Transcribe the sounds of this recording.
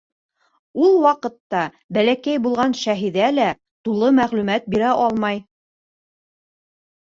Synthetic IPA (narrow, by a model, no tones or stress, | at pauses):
ulˠwɑqɤ̆t̪ːɑ | bælækæjbulˠʁɑnʃæɦiðælæ | t̪ulˠɤmæʁlʉmæt̪̚biɾæʔɑlˠmɑj